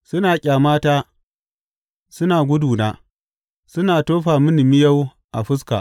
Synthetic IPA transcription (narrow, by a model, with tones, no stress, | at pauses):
sʊ˦naː˨kʲʼaː˨maː˦taː˦ | sʊ˦naː˨ɡʷʊ˦duː˨naː˦ | sʊ˦naː˨toː˦ɸaː˨mɪ˦nɪ˨mɪ˦ja˦w | ʔa˨ɸɪ˦s̬ka̰ː˨